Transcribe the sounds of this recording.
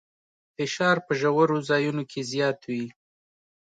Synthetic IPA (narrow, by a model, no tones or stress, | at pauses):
fɪʃɑɾpəʒawəɾozɑjunokʰezjɑt̪wi